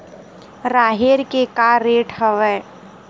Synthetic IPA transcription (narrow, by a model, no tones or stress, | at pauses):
ɾaːɦeɾkekaɾeʈhəʋɛ